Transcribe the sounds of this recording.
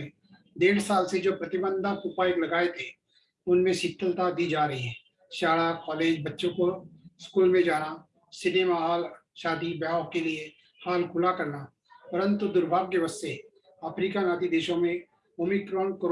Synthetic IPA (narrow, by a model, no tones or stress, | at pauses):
ẽ | d̪eːɽsaːlsed͡ʒoːpɾɐt̪ɪbə̃nd̪ʱaupaːjklɐɡaːet̪ʰe | ʊnmẽʃɪt̪ʰːəlt̪ad̪iːd͡ʒaːɾɐɦiɦɛ̃ː | ʃaːɽakɔːleːd͡ʒbɐtːʃõkoɪskuːlmẽd͡ʒaːna | sɪneːmaɦaːlʃaːd̪ibaːkelie | haːlkʰʊlakɐɾna | pəɾə̃nt̪ud̪ʊɾbʱaːɡkeʋəst̪e | ɐpʰɾiːkanaːt̪id̪eːʃõmẽ | oːmikɾɔːnkəɾ